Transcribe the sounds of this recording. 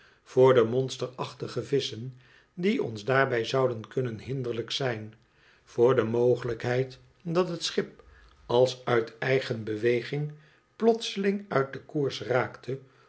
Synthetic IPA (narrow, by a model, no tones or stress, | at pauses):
v̥ʊːɹdəmɔnstəɹɑχtəχəvɪsən | diɔ̰nzdaːɹbɛjzɑwdənkɵnənɦɪndəɹləksɛjn | v̥ʊːɹdəmoːwχələkɦɛjt | dɑtɦətsχɪp̚ | ɑlˠsœɥtɛjχənbəʋejχɪŋ | plɔtsəlɪŋœɥt̚dəkuːɹsraːktʰə